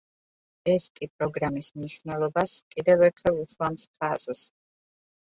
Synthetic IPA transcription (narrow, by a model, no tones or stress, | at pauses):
ɛskʼipʼɾɔɡɾamismniʃwnɛlˠɔbaskʼid̪ɛvɛɾt̪ʰχɛlˠuʃwamst̪ʰazs